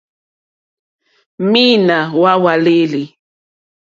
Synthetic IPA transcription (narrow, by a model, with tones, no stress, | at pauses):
mi˦na˨wa˦wa˨le˦li˨